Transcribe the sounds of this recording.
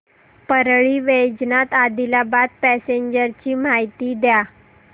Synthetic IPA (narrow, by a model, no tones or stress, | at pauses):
pəɾɭiːʋed͡ʑnat̪ad̪ilabad̪̚pæseɲd͡ʑəɾt͡ɕiːmaɦjt̪iːd̪ja